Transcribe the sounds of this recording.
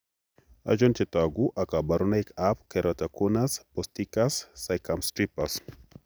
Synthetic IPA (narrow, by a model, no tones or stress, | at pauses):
a̰d͡ʒontet̪aɡuʔakabaɾunaikapkeɾʔat̪akunaspɔst̪ikasːajkamstɾipas